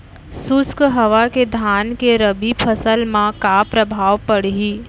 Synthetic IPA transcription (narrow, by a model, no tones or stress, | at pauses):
sʊskɦəʋaked̪ʱaːnkeɾəbipʰəsəlmãkapɾəbʱaːʋpəɽ̤ɦiː